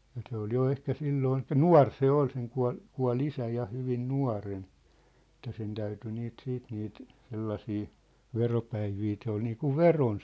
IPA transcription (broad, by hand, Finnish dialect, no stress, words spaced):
jɑ se ol jo ehkæ silːoːn elĭkˑæ nuɑ̝r se ol seŋ kuɑ̝l kuɑ̝l isæ jɑ hyʋin nuɑ̝ren ĕtːæ sen tæyty niːt siːt niːt selːɑsiː ʋeropæiʋiː se ol niːkuʋ ʋeron